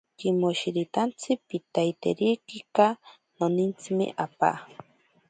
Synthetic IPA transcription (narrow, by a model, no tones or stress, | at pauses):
kimoʃiɾit̪ant͡sʰipit̪ajt̪ḛɾikika | nonint͡simḛʔapa̰